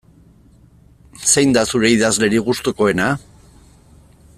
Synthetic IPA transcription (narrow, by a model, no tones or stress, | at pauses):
sejnd̪asuɾe̞iðazle̞ɾiɣust̪oko̞e̞na